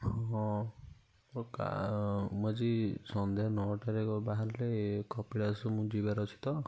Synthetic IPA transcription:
hɦɔ̃ | ɔɾka̰mɔd͡ʒisɔnd̪ʱeɔnɔʈaɾekɔbaɦaɾlekɔpiɽasumũd͡ʒibaɾɔt͡ʃʰi̥t̪ɔ

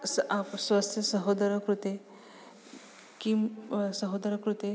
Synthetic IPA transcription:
sapswast̪ʰjɐsəɦod̪ɐɾɐkɾut̪e | kimsəɦod̪ɐɾɐkɾut̪e

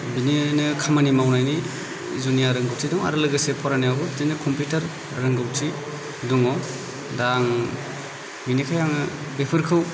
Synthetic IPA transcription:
bininɯkʰamanimawnajni | zunijaɾɯŋɡɯw̚tʰidɔŋa̰ɾɯlɯɡɯsepʰɔɾanijaɡɔtinɯkʰɔmputaɾː | ɯŋɡɯwtʰi | duŋɔ | daŋ | binikʰajaŋɯ | bepʰɯɾkʰɯw

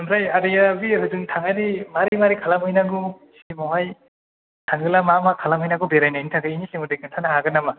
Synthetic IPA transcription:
ɯnɾajadɯjabiɾɯzɯŋtʰaŋanimaɾimaɾikʰalamɯjnaɡu | simɔɦaj | tʰaŋɡɯlamamakʰalamɯjnaɡɯbeɾajnajnitʰaŋɡɯinisemɯdekɯntʰanaɦaɡɯnama

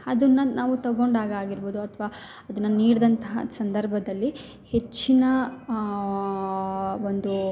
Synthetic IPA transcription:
ɐd̪ɐnːɐnaːʋut̪ɐɡo̞ɳɖaːɡaːɡiɾboːd̪uɐt̪ʰʋaː | ɐd̪ɐnːɐniːɽɐd̪ɐnt̪ɐɦɐ̰sɐnd̪ɐɾbʱɐd̪ɐlːi | he̞t͡ʃːinɐ | ond̪u

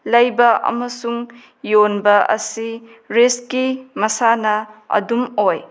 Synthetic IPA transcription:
lɐjbɐʔɐ̰mɐsuŋ | jonbɐʔɐ̰si | ɾeskimɐsanɐɐ̰dumoj

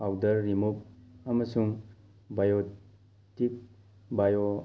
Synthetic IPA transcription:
awdɐɾːimupɐmɐsuŋ | bajo | tik̚ | bajo

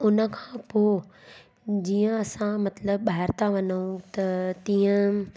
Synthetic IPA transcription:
ʊnə̆kʰḁ̃poː | d͡ʑiːə̃ɐsãmɐt̪ləb̚ɓaːɦɪɾt̪aʋɐnũt̪ɐt̪ĩːə̃

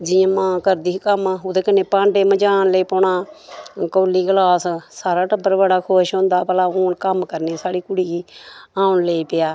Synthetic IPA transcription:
d͡ʒɪjãːmãːkəɾd̪iːkəmːoːd̪eːkənːeːpãːɳɖeːməd͡ʒaːnleiːpoːɳaːkoːliːɡəlaːssaːɾaːʈəbːəɾbəɽaːkʰoːʃɦõːnd̪aːpəlaːoːnkəmkəɾneːsaːɽiːkʊɽiːɡiːãːunleiːpɪjaː

